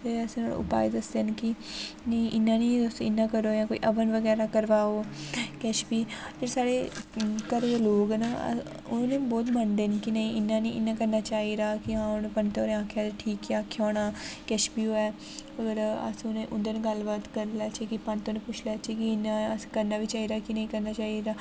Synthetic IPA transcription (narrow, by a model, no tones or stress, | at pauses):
peːəsn̰ːʊ̰pa̰ːed̪əsd̪enkinə̃ĩʔɪnːãːniːd̪ʊst̪õɪnːãːkəɾoːjãːkoːḭːʔəʋənʋəɡɛːɾaːkəɾʋaːoːkɛʃbiːd͡ʒesaːɽeːkəɾd̪eːloːɡna̰ | ʊːnẽːbɔːt̪mənd̪eːnkinəĩːɪnːãːnĩːʔɪnːãːkəɾnaːt͡ʃaːiːɾaːkɪãːʊnpənt̪oːɾẽaːkʰjaːd̪eʈʰiːkiaːkʰjaːnaːkɛʃbiːoːɛː | əɡəɾə̰sʊnẽːʔʊnd̪eneɡəlbaːt̪kəɾlaːt͡ʃeːkipənt̪õːnẽːpʊt͡ʃʰlaːt͡ʃiːkiɪnaəskəɾnaːʋiːt͡ʃaːiːɾaːkinəĩːkəɾnaːt͡ʃaːiɾaː